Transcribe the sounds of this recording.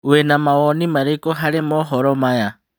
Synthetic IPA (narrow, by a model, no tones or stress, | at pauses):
wenamawonimaɾikoɦalemoɦoɾomaja